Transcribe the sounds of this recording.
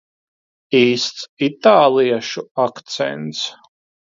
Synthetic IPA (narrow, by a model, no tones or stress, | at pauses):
iːst̪sit̪aːlˠijaʃuakt̪sɛ̰nt̪s